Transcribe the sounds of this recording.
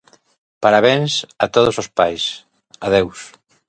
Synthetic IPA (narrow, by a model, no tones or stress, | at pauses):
paɾaβ̞ensat̪oð̞osospajs | aðews